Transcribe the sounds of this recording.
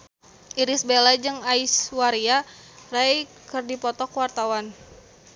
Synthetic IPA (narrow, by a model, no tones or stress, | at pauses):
ʔiɾisbelad͡ʒɨŋaiswaɾia | raj | kɨrdipɔt̪ɔkwart̪awan